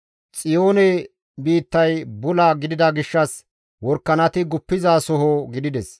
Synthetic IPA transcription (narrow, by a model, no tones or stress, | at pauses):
t͡sʼɪjoːnɛ | biːt̪ːɐjbʊlɐɡɪd̪ɪd̪ɐɡɪʃːɐs | wɔɾkːɐnɐt̪ɪɡʊpːɪzaːsɔɦoɡɪd̪ɪd̪ɛs